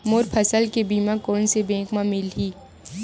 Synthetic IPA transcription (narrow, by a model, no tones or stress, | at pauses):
moːɾpʰəsəlkebiːmãkɔːnsebɛ̃ːkmãmɪlɦiː